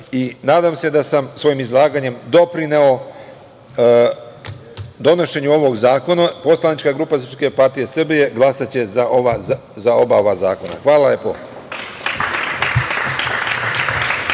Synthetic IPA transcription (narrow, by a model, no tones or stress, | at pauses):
inaːd̪amse̞d̪asamsʋo̞jimizlˠaːɡaɲe̞md̪o̞pɾine̞o̞ | d̪o̞no̞ʃe̞ɲuo̞ʋo̞ɡzaːko̞napo̞slˠanit͡ʃkaɡɾuːpasɾpske̞paɾt̪ije̞sr̩bije̞ɡlˠasat͡ɕe̞zaoa | zao̞baoʋaza̰ːko̞na̰xʋaːlaepo